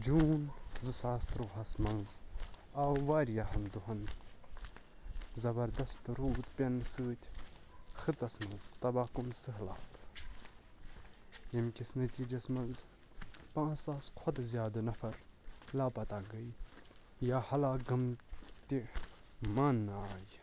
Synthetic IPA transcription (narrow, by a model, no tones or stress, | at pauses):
d͡ʒuːnzɨsaːst̪ɾoːɦɐsmɐnzawʋaːɾjahɐnd̪uɦɐn | zɐbɐɾd̪ɐst̪ɾuːt̪pʲɐnsɨːt̪ʲ | xɨt̪ɐsmɐ̃nzt̪ɐbaːkumsɨɦla̰ːt̪ | imkʲisnɐt̪ʲiːd͡ʒɐsmɐnz | pãːt͡saːskʰɐt̪zʲjaːd̪nɐfɐɾlaːpɐt̪aːɡɐj | jaːhɐlaːɡɐmt̪ʲi | manːaːj